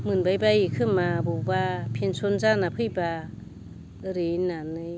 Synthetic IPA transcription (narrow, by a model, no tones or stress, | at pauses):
mɯnbajbajikʰɯmabubapʰensonzanapʰɯjba | ɾenːanɯj